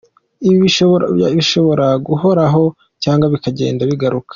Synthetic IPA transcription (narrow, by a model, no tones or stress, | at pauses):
iiiaβiʃo̞βo̞ɾaɡuho̞ɾaɦo̞ | caːŋɡaβikaɟe̞̰ːndaβiɡaɾukḁ